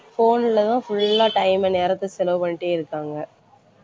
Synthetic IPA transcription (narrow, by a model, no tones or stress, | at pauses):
foːnɪlɐt̪ãːfʊɭlːãːʈɐɪmɛneːɾɐt̪ːɯsɛlɐʋɯpɐɳːɪʈːeːɪɾɯkːaːŋɡɐ